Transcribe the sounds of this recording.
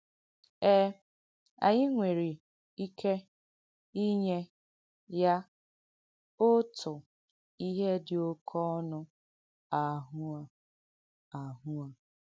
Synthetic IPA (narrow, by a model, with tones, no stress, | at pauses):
ɛː˦ | a̰˨ɲɪ˦ŋʷe˨ɾi˨ | i˦kʰe˦ | i˦ɲe˦ | ja˦ | ʊ˦tʰʊ˨ | i˦ɦe˦dɪ˨o˦kʰɔ˦nʊ˦ | a˨ɦʊ˦a˨ | a˨ɦu˦a˨